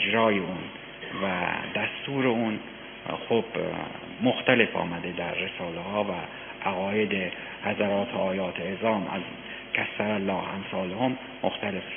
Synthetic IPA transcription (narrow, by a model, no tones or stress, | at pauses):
d͡ʒɾɒːjeun | væ̰d̪æst̪uːɾeun | xob̥ | moxt̪æle̞fɒ̰ːmæd̪e̞d̪æɾːe̞sɒːlehɒːvæ | ʔæɣɒːjed̪e | hæzæɾɒːt̪ʰoɒːjɒːt̪ʰeezɒːmæ̰z | kʰæsːæɾælːɒːhæmsɒːlohomːoxt̪æle̞f